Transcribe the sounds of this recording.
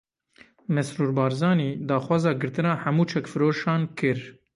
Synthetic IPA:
mɛsɾuːɾbɑːɾzɑːniːd̪ɑːxwɑːzɑːɡɨɾt̪ɨnɑːħæmuːt͡ʃʰɛkfɨɾoːʃɑːnkɨɾ

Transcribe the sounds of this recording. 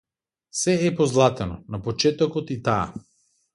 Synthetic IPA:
sɛɛpɔzlˠat̪ɛnɔnapot͡ʃɛt̪ɔkɔt̪it̪aa̰

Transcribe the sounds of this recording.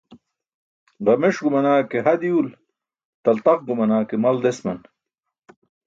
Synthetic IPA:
ʁɐmeʂɡumɐnaːkeɦɐd̪iul | t̪ɐlt̪ɐχɡumɐnaːkemɐld̪esmɐn

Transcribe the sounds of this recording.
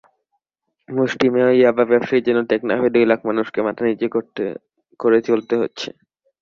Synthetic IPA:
muʃʈimeaiababɛpʃaid͡ʑenoʈekna̰ɦed̪ojlakʰmanuʃkematʰanit͡ɕeo | koɾet͡ɕolt̪eɦo̰tːɕʰḛ

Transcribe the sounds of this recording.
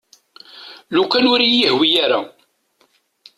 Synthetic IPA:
lukænʊɾijihwijaɾa

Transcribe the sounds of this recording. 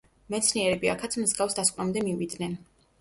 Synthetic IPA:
mɛt̪sʰniɛɾɛbiakʰat̪sʰmzɡafsd̪askʼnamd̪ɛmivid̪nɛn

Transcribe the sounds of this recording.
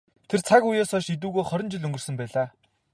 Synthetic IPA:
t̪ʰert͡sʰakujaːsɔʃit̪̬uːɣoːjχɔɾʲɪ̆nt͡ɕɪ̆ɮɵŋɡɵ̆rsɵ̆mpæːɮaː

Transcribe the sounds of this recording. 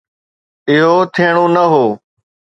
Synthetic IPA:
ɪɦoːt̪ʰiːɳ̃oːnəɦoː

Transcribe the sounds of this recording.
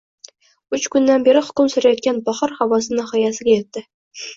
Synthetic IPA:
ʉt͡ʃkʊnːanbeɾɪhʊ̥kʲʊmsɵɾajɒt̪̚kʲanbɒχɑɾhawɒs̬ɪnɑhɒjasɪ̆ɡʲajet̪ːɪ

